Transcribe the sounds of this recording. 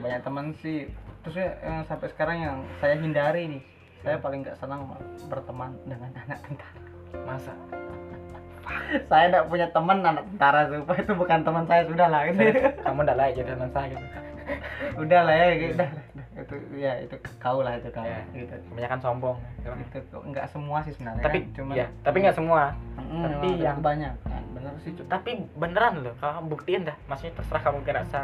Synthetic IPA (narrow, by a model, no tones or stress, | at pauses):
baɲak̚t̪əmənsɪht̪ɾʊs̬ɲaəsampɛsə̥kaɾaŋjaŋsajaɦindaɾinɪh | sajapalɪŋɡa̰ʔsənaŋbərt̪əmandəŋananak̚t̪ənt̪ḁɾḁ | masa̰ | sajandaʔpuɲat̪əmənanak̚t̪ənt̪aɾasupait̪ubukant̪əmənsajasudahlahɡakamundaʔlaid͡ʒadit̪əmənsajɡit̪u | udahlahjaɡiudahladit̪ujaḭt̪ukaulaɦit̪ukajaɡit̪ukəbaɲakansɔmbɔŋaimait̪uaŋɡaʔsəmuasɪsənaŋaait͡ʃumjat̪apiŋɡaʔsəmuam̩apiakubaɲaka̰nbənəɾsit͡ʃut̪apibənəɾanlokalabuk̚t̪iəndahmasukɲat̪ərsəɾahkamukanaʔsa